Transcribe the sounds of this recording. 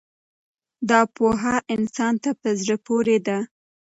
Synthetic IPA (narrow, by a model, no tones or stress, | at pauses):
d̪ɑpoɦaʔɪnsɑnt̪apəzɽəpoɾed̪a